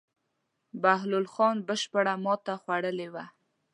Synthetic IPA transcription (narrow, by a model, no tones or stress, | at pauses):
baɦlʊlxɑnbəʃpəɽamɑt̪axwaɽəlewa